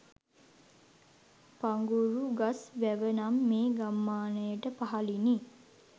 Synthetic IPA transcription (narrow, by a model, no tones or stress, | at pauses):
paŋɡuɾuɡasʋæʋənamːeːɡamːaːnəjəʈəpaɦalini